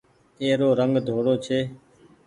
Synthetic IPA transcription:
eːɾoːɾəŋɡd̪ʱoːɽoːt͡ʃʰeː

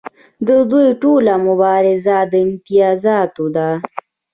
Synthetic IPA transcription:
d̪əd̪ujʈolamʊbɑːɾɪzad̪əɪnt̪ijɑːzɑt̪od̪a

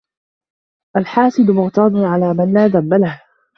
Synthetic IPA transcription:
ʔalħaːsɪd̪mʊɣt̪ɑːd̪ʊnʕalaːmanlaːðambːalah

